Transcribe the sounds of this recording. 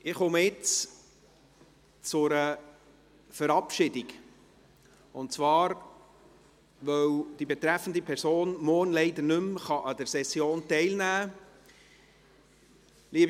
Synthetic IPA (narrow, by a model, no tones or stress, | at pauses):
ɪχʊməjɪt͡s | t͡sʊɾə | fəɾɑpʃɪdiɡ | ʊntt͡svɑːɾ | ʋœwd̥ibet̪ɾɛfən̩dipʰɛɾsoːnmɔːɾnlɛɪd̪əɾnɵmχɑʔɑd̪əɾsɛsjoːntɛɪlnæː | liəb